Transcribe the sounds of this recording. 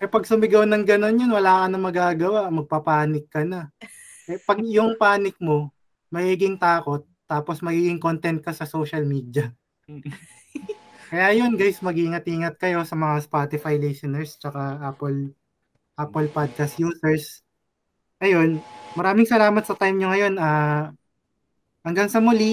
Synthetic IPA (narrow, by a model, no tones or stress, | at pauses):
ʔɛpɐɡ̚sʊmɪɡownɐŋɡɐno̞njonwɐlaːkɐnɐmɐɡaːɡɐwaʔmɐɡ̚pɐpaːnɪkːɐnɐ | ʔɛpɐɡ̚jʊŋpaːnɪk̚mo̞ | mɐɡiːɡɪŋt̪aːko̞t̪̚ːaːpo̞smɐɡiːɡɪŋkont̪ɛnt̪̚kɐsɐso̞ːʃɐlmiːd̪jɐ | kɐjaːjo̞nɡajsmɐɡiːŋɐt̪̚ʔiːŋɐt̪̚kɐjo̞sɐmɐŋaspaːt̪ɪfajlisonɛɹst͡ʃɐkaʔaːpol | ʔaːpɛlpad̪̚kasjuːsɛɹs | ŋɐjo̞nmɐɾaːmɪŋsɐlaːmɐt̪sɐt̪ajmɲoŋɐjo̞na | ʔɐŋɡɐŋsɐmʊli